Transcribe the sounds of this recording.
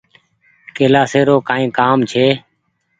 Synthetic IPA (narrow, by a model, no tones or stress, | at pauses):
keːlaːseːɾoːkaːĩːkaːmt͡ʃʰeː